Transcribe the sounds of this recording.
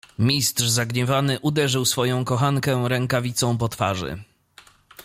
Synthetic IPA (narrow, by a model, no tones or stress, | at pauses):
mʲist̪ʂzaɡɲɛvanɘʔud̪ɛʐɘwsfɔjɔ̃w̃kɔxaŋkɛɾɛŋkavʲit̪sɔ̃w̃pɔt̪fa̰ʐɘ̰